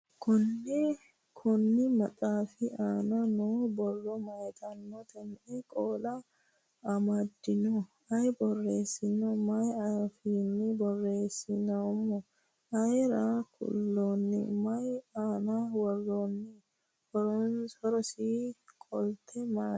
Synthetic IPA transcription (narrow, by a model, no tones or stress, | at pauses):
kʊnːɛ | kʰʊnːɪmɐtʼaːfɪʔaːnɐnobɔrːɔmɐjt̪ʰɐnːɔt̪ɛnʔɛkʼoːlɐː | mɐd̪ːɪnɔ | ɐjbɔrːeːsːɪnɔmɐjɐfinːɪbɔrːe̞ːsːɪnɐmɔ | ʔɐjɾakʰʊ̰lːoːnːɪ̰mɐjaːnawɔrːoːnːɪ | hɔɾɔhɔɾɔsikʼɔlt̪ʰɛma